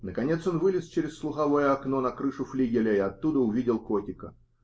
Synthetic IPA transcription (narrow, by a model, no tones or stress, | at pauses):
nəkɐnʲe̞t̪so̞nvɨlʲɪst͡ɕeɾʲɪsslˠʊxɐvo̞jəɐkno̞nɐkɾɨʂʊflʲiɡʲɪlʲəɪɐt̪ːud̪əʊvʲidʲɪlˠkotʲɪkə